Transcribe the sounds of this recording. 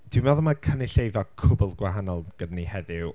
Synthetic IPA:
d̥wimaðɔmakʰənɪɬejvɔkʰʊbʊlˠɡwaɦanɔlˠɡ̥ədnihɛðɪw

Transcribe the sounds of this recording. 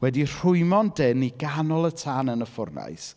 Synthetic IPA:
wɛdir̥ʊɨmɔndɪniɡanɔlˠətʰanənəfʊrna̰js

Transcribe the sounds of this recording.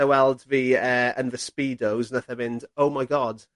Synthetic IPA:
əwɛlˠdviːəːə̰̃nvəspiːdowzənəθəmɪ̃ndoʊmajɡɒd̥

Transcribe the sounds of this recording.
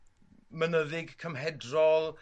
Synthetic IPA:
mənəðɪɡkʰəmɦɛdrɔlˠ

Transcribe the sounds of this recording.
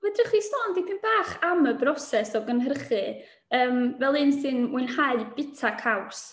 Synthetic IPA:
wədrəχistɔːndipʰɨnb̥aːχaməbrɔsɛsɔɡənɦərχɨ | əːmvɛlˠɨnsɨnwɪnhaɨb̥ɪtʰakʰaws

